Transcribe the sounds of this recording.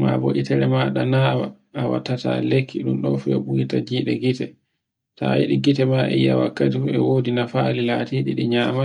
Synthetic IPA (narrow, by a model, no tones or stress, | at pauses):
mabo̰ʔitɛɾɛmaːɗanaːwa̰ː | wa̰tːata̰lekʰːiɗumɗɔfuɛɓuitad͡ʒiɗɛɡitɛ | tajiɗiɡitɛmaʔɛ̰jawa̰kːatifuɛwodinafalilaːtiːɗiɗiɲaːma